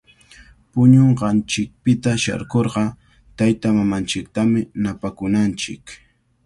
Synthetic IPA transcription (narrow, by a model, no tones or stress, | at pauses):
pʊɲoɴɢɑnt͡ʃɪk̚pɪt̪aʃa̰ɾkoɾɢɑ | t̪ajt̪amamant͡ʃɪk̚t̪amɪnapakʊnant͡ʃɪ̰k